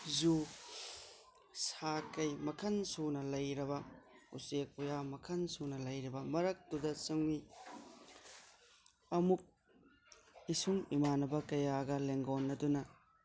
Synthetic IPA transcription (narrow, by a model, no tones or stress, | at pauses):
zu | sakɐjmɐkʰɐnsunɐlɐjɾɐbɐ | ṵsek̚ujamɐkʰɐnsunɐlɐjɾibɐmɐɾɐk̚tudɐsɐŋi | ɐmuk̚ | isuŋimanɐbɐkɐjaɡɐleŋɡonːɐdunɐ